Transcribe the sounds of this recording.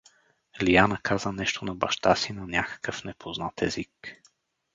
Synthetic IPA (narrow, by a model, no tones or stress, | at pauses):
lianəkʰazənɛʃt̪onɐbɐʃt̪asinɐnʲakə̥kəfnɛpʰoznat̪ɛzik